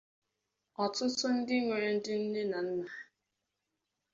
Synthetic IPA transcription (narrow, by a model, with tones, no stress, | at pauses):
ɔ˨tʊ˦tʊ˦n̩˦dɪ˦ŋʷe˨ɾe˨n̩˦dɪ˦n̩˦ne˦na˨n̩˦na˨